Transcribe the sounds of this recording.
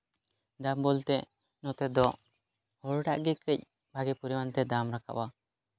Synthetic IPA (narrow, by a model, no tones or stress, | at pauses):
d̪ambɔlt̪ɛ | nɔt̪ɛd̪ɔʔ | hɔɽɖa̰ʔɡɛkəc̚ | bʱaɡɛpuɾiwant̪ɛd̪amɾaka̰ʔwa